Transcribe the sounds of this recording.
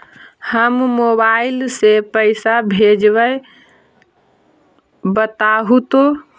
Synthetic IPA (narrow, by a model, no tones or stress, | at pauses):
həmmobailsepəɪsabʱed͡ʒbəj | bət̪aɦut̪o